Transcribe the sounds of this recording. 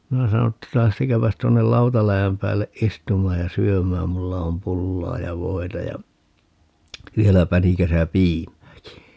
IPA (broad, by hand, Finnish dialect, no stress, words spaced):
minæ sɑno tːɑ læhtekæːpæs tuonːel lɑutɑlæjæm pæːlːeʔ ʔistumˑɑːj jɑ syømæːm mulːɑ om pulːɑː jɑ ʋoi̯tɑ jɑ ʋielæ pænikæsæ piːmˑæːki